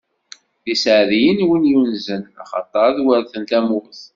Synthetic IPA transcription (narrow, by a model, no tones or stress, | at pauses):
ðisʕðijənwinjunzənɑ̰χɑ̰t̪ˤɑɾˤðwəɾθənt̪æmuθ